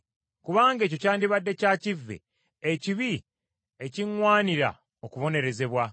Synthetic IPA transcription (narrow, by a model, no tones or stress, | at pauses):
kuβaːŋɡe̞ːco̞caːndiβadːe̞caːcivːḛ | eciβi | e̞ciŋwaːniɾa̰ | okuβo̞ne̞ɾe̞ze̞βwa